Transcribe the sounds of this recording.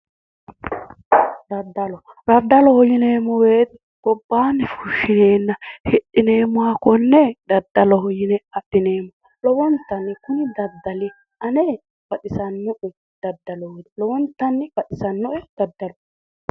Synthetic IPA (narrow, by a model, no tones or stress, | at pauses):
d̪ɐd̪ːɐlɔ | ɾɐd̪ːɐlɔhɔjɪneːmɔweːt̪ɛ | ɡ̥ɔbːaːnːɛfuʃɪneːnːɐhɛɗɪne̞ːmʊwakɔnːɛd̪ɐd̪ːɐlɔhɔjɪnɛɐpːɪne̞ːmɔ | lɔwɔnt̪ːɐnːɪkʊnɪd̪ɐd̪ːɐlɪ | ʔɐnɛ | b̥ɐt̪ɪsɐnːʊʔɛ | d̪̥ɐd̪ːɐlɔwd̪ɛlɔwɔnt̪ːɐnːɛbɐt̪ɪsɐnːɔʔɛd̪̥ɐd̪ːɐlɔ